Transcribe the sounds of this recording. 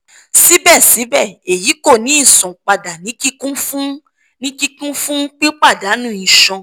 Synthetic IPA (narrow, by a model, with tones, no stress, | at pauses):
si˨˦bɛ˦˨si˨˦bɛ˦˨e˨ji˨˦ko˦˨nĩ˨˦ĩ˦˨sɔ̃˨k͡pa˧da˨nĩ˨˦ki˦kũ˦fũ˦ | nĩ˦ki˦kũ˦fũ˦k͡pi˦k͡pa˦˨da˨˦nũ˦˨ĩ˨ʃɔ̃˧